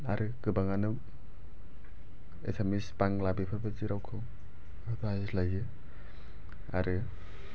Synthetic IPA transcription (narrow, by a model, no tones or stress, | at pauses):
aɾɯkɯbaŋanɯ | ḛsemispaŋlabipʰɯɾpʰɯtiɾawkʰɯw | ɯtazislajɯ | a̰ɾɯ